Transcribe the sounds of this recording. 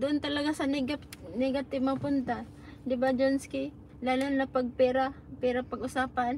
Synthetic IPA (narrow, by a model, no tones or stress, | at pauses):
d̪ʊʔʊnt̪ɐlɐɡasɐnɡanɛɡat̪ɪbmapʊnt̪a | d̪ɪbad͡ʒonskɪ | laːlʊnapaɡ̚pɛːɾa | pɛɾapɐɡʔʊsaːpan